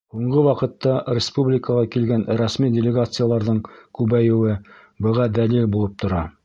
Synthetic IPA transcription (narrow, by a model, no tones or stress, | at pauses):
huɴɢɤwɑqɤ̆t̪ːɑɾʲɪspublʲɪkəʁɑkilɡænɾɑsmidʲɪlʲɪɡat̪sɨjalˠɑɾðɤɴkʉβæjɘ̆wɘ | bɤ̆ʁɑd̪ælilbulˠɤp̚t̪ŏɾɑ